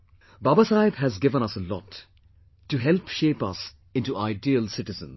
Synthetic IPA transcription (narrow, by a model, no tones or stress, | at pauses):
babasaɪbɦæzɡɪvə̃ñʌsəlɔ̰tː | uɦɛlpʃeːpʌ̰s | ɪ̃ntuʔaɪdiəlsɪʈɪzə̰̃n